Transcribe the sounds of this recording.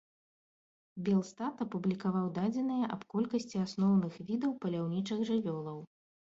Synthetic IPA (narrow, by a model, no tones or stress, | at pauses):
bʲɛlˠst̪at̪ɐpublʲikavawd̪ad͡zʲɛn̪ɨjɐʔɐpkɔlʲkɐsʲt͡sʲiasnɔwnɨxvʲid̪ɐwpɐlʲawnʲit͡ʂɨɣʐɨvʲɔlˠɐw